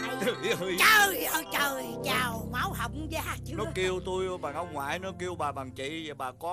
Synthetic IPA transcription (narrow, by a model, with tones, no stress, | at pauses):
i˨˦˧t͡ɕə˧˩ʔəː˧˩t͡ɕəː˨˩jt͡ɕaː˨˩wmaː˨˦wɦa˨˩wk͡pŋ͡m̚zaː˧t͡ɕi˧˨nɔ˨˦ki˧əwt̪u˧jɓaː˨˩ŋʔə˧wŋ͡mŋwa̰ː˧˨jnɔ˨˦ki˧əwɓaː˨˩ɓaː˨˩ŋt͡ɕḭ˧˨za˨˩ɓaː˨˩kɔ˨˦